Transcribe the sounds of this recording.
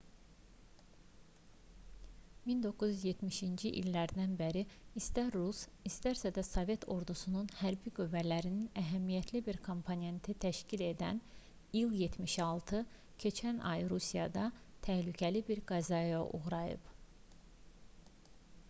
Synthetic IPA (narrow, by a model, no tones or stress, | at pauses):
mind̪o̞kʰːuzyzje̞t̪miʃind͡ʒiʔḭlːæɾd̪ænbeɾiist̪æɾːusist̪æɾsæd̪æsovje̞t̪ʰo̞̰ɾd̪usununhæɾbiɡyvælæɾininæɦæmijæt̪ʰlibiɾkʰo̞mpʰone̞nt̪ʰit̪ʰæʃcile̞d̪æ̰n | ilˠjet̪ʰmiʃɑlˠt̪ʰɯ | cʰe̞t͡ʃʰænɑ̰jɾusijɑ̰d̪ɑt̪ʰæhlycʰælibiɾɡɑzɑjɑʔṵɣɾɑjɯ̰p